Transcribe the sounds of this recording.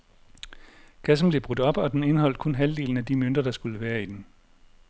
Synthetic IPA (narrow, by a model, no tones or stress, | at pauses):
ɡ̥æs̬n̩b̥le̝b̥ʁud̥ɒ̽b̥ɒ̽d̥ene̝nəɦɒ̽l̰d̥kʰɔ̽nɦæld̥e̝̰ːln̩æd̥imøn̰d̥ʁɐd̥ɑ̈sɡ̥uləʋæːɐid̥en